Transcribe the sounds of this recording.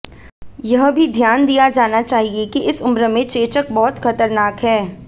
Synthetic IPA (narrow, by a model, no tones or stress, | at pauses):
jɐɦbʱid̪ʱjaːnd̪ijad͡ʒaːnat͡ʃaːɦiekiʔɪsʊmɾəmẽt͡ʃeːt͡ʃək̚bɔɦʊt̪xɐt̪əɾnaːkɦɛː